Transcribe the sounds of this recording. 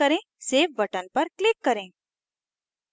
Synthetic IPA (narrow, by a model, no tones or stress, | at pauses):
əɾẽː | seːf̚bɐʈənpɐɾklɪkːɐɾẽː